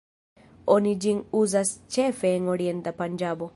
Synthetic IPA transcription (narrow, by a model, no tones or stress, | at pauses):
onid͡ʒiŋuzast͡ʃɛfeŋoɽiɛnd̪apaɲd͡ʒabɔ